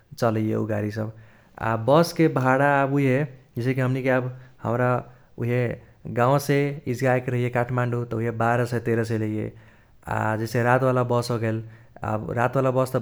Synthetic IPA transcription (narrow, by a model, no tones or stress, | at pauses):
t͡ʃələjḛṵɡaɾisəb | a̰bəskebʱaɽaːbuiɦed͡ʒesekeɦəmnikeabhə̰mɾa | uɦeɡãw̃seid͡ʒɡaekɾəɦijekaʈʰmaɳɖut̪ɔuiebaɾəsət̪eɾəs̬ələɦijḛ | a̰d͡ʒeseɾat̪walabəsoɡel | ə̰bɾat̪walabəst̪